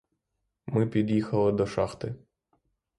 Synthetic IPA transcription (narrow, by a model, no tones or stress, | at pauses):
mɪpʲid̪jixɐlˠɪd̪ɔʃɑxt̪ɪ